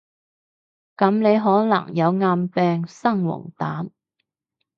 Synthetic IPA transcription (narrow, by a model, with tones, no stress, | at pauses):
kɐ˨˥mne˨˧jɦɔː˨˥nɐ̰˨˩ŋjɐ˨˧wŋaː˧mpɛː˧ŋsɐ˥ŋwʊ̰˨˩ŋt̪aː˨˥m